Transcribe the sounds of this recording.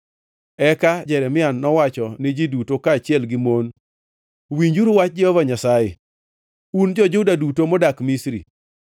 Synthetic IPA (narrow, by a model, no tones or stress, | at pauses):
ɛkad͡ʒɛɾɛmɪanːɔwat͡ʃɔnɪd͡ʒidutokaːt͡ʃɪɛlɡɪmon | wiɲd͡ʒuɾuwat͡ʃ̚d͡ʒɛhɔvaɲasajɪ̰ | und͡ʒɔd͡ʒʊdadutomodakmisɾḭ